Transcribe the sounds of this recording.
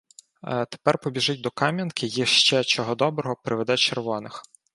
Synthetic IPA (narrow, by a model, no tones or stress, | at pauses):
t̪e̥pɛrpɔbʲiʒɪtʲd̪ɔkɑmʲjɐnkɪjiʃt͡ʃɛt͡ʃɔɦɔd̪ɔbɾɔɦɔpɾɪʋed̪ɛt͡ʃerʋɔnɪx